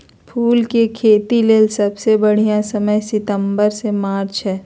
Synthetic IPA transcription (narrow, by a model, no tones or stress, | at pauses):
pʰuːlkekʰeːt̪ileːlsɐbsebəɽ̤ijãsəməjsɪt̪ə̃mbəɾsemaːɾt͡ʃɦɛː